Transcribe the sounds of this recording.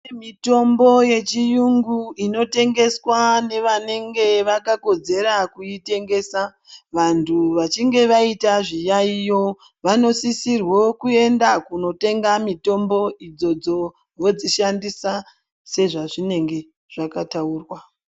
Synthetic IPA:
emito̞mbo̞je̞t͡ʃijuŋɡuino̞te̞ŋɡe̞swane̞ʋane̞ŋɡe̞ʋakako̞d͡ze̞ɾakujite̞ŋɡe̞sa | ʋantʰuʋat͡ʃiŋɡe̞ʋaitaʐijaijo̞ | ʋano̞sisirwo̞kue̞ndakuno̞te̞ŋɡamito̞mbo̞id͡zo̞d͡zo̞ | ʋo̞d͡ziʃandisa | se̞ʐaʐine̞ŋɡe̞ | ʐ̥akatauːrwa

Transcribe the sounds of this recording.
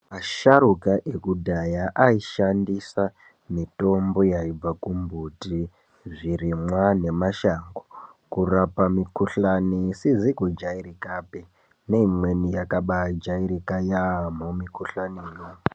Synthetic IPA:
maʃaɾukaʔekudʱajaʔaiʃandisa | mito̞mbo̞jaib͡vakumbʱuti | ʐirimwane̞maʃaŋɡo | kurapamikuɬanisizikud͡ʒaiɾikape | neimwe̞nijakaɓad͡ʒaiɾikajamumikuɬaniːjo

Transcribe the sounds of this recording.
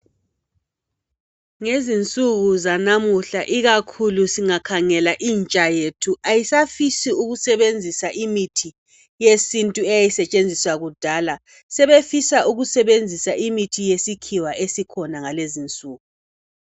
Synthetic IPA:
ŋezint͡sʼuɣuzanamuɬaʔiɣakʰulusiŋakʰaŋɛlaʔiːnt͡ʃʼajetʰuʔajisafisiuɣusɛβend͡zʱisaʔimitʰi | jesintʼuɛjjisɛt͡ʃʼend͡zʱiswaɣud̥ʱala | sɛβefisaʔuɣusɛβend͡zʱisaʔimitʰijesikʰiwaʔesikʰɔnaŋalezint͡sʼuːɣu

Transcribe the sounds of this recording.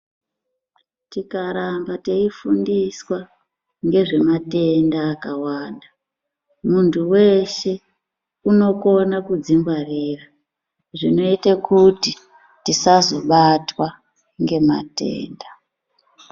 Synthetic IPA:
tikaɾambateifundiswa | ŋɡe̞ʐe̞mate̞ndaːkawaːnda | muntʰuwe̞ʃe̞ | uno̞ko̞nakud͡zimbwarira | ʐino̞itakuti | tisazo̞ɓatwa | ŋɡe̞ma̰tḛːnda

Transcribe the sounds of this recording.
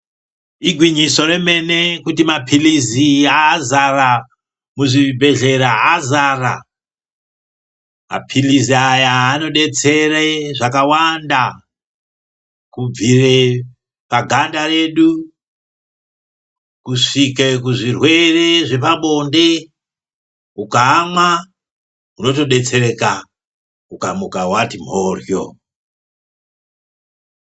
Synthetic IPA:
iɡʱwiɲisore̞me̞ne̞kutimapʰiliziaːzara | muʐibʱe̞ɮe̞ɾaːzara | ma̰pʰiliziajaːno̞ɗe̞t͡se̞reʐakawanda | kub͡vire | paɡʱandare̞ːɗu | kuʂikekuʐirwe̞re̞ʐe̞paɓo̞nde̞ | ukaːmwa | uno̞to̞ɗe̞t͡se̞reka | ukamukawatim̤oːrjo̰

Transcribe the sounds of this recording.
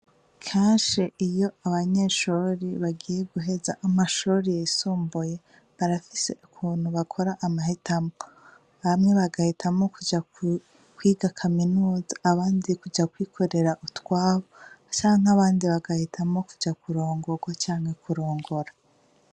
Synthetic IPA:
kʰeːnʃiʔijo̞aβaɲe̞ʃuɾiβaɡiːje̞ɡuɦe̞zaʔamaʃuɾijesuːmbuje̞ | βaɾafise̞̰ʔukʰuːn̥huβakʰo̞ɾaʔːmahetʰamo | βamŋe̞βaɡahitʰamo̞kud͡ʒa | kwiːɡakʰaminuːzaːβaːndikud͡ʒakwiːkʰo̞ɾe̞ɾaʔutwaːβot͡ʃaːŋ̥aβaːndiβaɡahitʰamo̞ku̥d͡ʒakuɾo̞ːŋɡoɡwat͡ʃaːŋhe̞kuɾo̞ːŋɡo̞ɾa

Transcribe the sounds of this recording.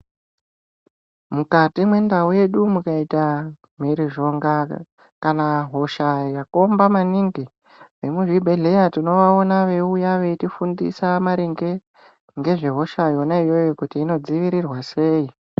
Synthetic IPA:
mukatimwe̞ndauje̞ɗumukaita | m̤iɾiʐo̞ŋɡa | kanaɦo̞ʃajako̞mbamaniŋɡi | ʋe̞muʐibʱe̞ɮe̞jatino̞ʋao̞naʋe̞ujaʋe̞itifundḭsamaɾeŋɡe̞ | ŋɡe̞ʐe̞ɦo̞ʃaijo̞naijo̞jokutiːno̞d͡ziʋiɾirwase̞ːi

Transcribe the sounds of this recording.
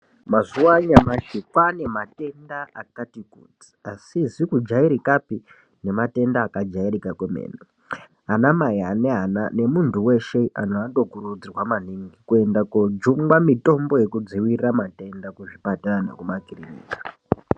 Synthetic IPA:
mazuwaɲamaʃikwane̞mate̞ndaakatikṵd͡zi̥asizikud͡ʒaiɾikapi | ne̞mate̞ndaːkad͡ʒairikakwemḛːne | ɦanamajaneɦana̰ne̞muntʰuwe̞ʃea̰noando̞kuɾud͡zirwamaniŋɡikue̞ndakod͡ʒuŋɡwamito̞mbo̞je̞kud͡ziwirramate̞ndakuʐipatarana̰kumakirinḭːkḁ

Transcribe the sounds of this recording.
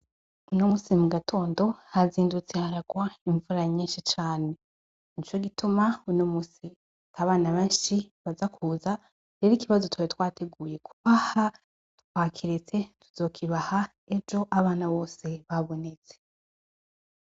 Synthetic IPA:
unomuːsimuɡatʰo̞ːndo̞haziːndut͡se̞haɾaɡwaiɱvuɾaɲiːnʃit͡ʃaːne̞ | nit͡ʃo̞ɡitʰumaunomuːsi | taβaːnaβeːnʃiβazakʰuːza | ɾe̞ɾikiβazo̞twajetwaːtʰe̞ɡuːje̞kʰu̥βaha | tkwaːkʰiɾet͡se̞tʰu̥z̥o̞ːkʰiβaha | e̞d͡ʒo̞ʔaβaːnaβo̞se̞βaβo̞ne̞t͡se̥

